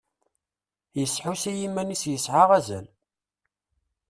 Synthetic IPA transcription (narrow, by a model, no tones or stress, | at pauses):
jəsːħusæjimːænisjəsʕaʁæzæl